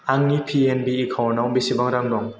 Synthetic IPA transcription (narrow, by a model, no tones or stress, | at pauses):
aŋnipʰienbiːkʰawnawbisibaŋɾaŋdɔŋ